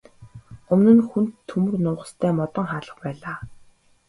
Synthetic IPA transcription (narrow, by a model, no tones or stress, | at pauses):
ɵmnɘ̆nxunt̪ʰːɵmɵ̆rnʊːʁə̆st̪ʰæːmɔt̪ɞ̆ŋχaːɮə̆χpæːɮaː